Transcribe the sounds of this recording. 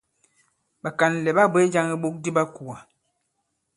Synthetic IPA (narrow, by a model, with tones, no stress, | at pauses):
ɓa˨ka˨n˨lɛ˨ɓa˦be˦d͡ʒa˦ŋi˦ɓo˦k̚di˦ba˦ku˨a˨